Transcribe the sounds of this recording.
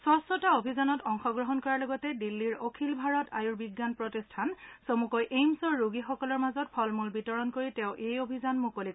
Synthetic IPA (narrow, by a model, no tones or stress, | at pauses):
sɔstɔtaobʱizanɔtɔŋxɔɡɹɔɦɔnkɔɹalɔɡɔtɛdilːiɹokʰilbʱaɹɔtʰa̰juɹbiɡːanpɹɔtistʰansomukɔjʔejmsɔɹːuɡixɔkɔlɔɹmazɔt̚pʰɔlmulbitɔɹɔnkoɹitɛ̃ʊʔejobʱizanmukolik